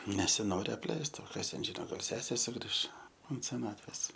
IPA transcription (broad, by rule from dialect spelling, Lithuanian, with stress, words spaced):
nʲɛsʲɪˈnoːrʲɪ ɐpʲˈlʲɛɪst oː ˈkɐs tʲɛn ˈʒʲɪnoː ˈɡɐlˠ ˈsʲæːsʲeː sʊˈɡrʲɪʃ ʊnt sʲɛˈnɑːtʲʋʲeːs